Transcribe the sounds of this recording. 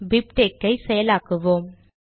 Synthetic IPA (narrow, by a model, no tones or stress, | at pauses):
bip̚ʈeːkːɐɪsɛjɐlaːkɯʋoːm